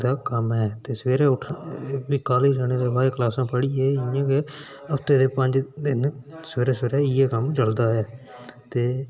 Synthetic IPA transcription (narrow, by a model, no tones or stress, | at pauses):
d̪aːkəmɛːt̪eːsəʋeːɾeːʊʈʰʋiːkaːliːɾɛːñeːd̪eːbaːeklaːsãːpəɽiːeːɪjãːke | əpt̪eːd̪eːpəɲd͡ʒd̪ɪnsəʋeːɾeːseːɾɛːɪjɛːkəmd͡ʒəld̪aːɛː | t̪eː